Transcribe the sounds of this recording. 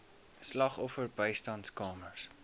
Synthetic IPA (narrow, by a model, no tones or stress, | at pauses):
slɑχɔfərbəjstɑntskɑːmərs